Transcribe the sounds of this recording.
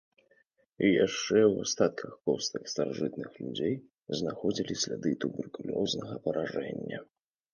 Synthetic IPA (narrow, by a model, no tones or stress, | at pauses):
ijaʂt͡ʂɛwast̪at̪̚kʰɐxkɔst̪ɨkst̪aɾaʐɨt̪nɨxlʲud͡zʲej | znaxɔd͡zʲilʲisʲlʲad̪ɨt̪ubɛrkulʲɔznɐɣɐpɐɾʔaʐɛnʲːɐ